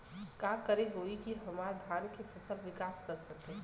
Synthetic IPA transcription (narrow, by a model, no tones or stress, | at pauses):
kaːkəɾeɦoːikiɦɐmaːɾd̪ʱaːɾkefɐsəlʋɪkaːskɐɾsɐk̚t̪eɛ